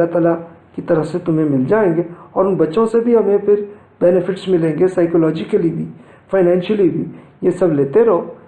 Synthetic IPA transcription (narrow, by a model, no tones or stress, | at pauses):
at̪aːlakit̪ɐɾəfset̪ʊmɦẽmɪld͡ʒaːẽːŋɡeɔːɾʊnbɐtːʃõsebʱiɦɐmẽpʰɪɾ | bɛːnɪfɪʈsmɪlẽːŋɡesaːɪkoːlɔːd͡ʒikelibʱi | fʰaːɪnɛ̃ːnʃəlibʱijesɐbleːt̪eɾɐɦoː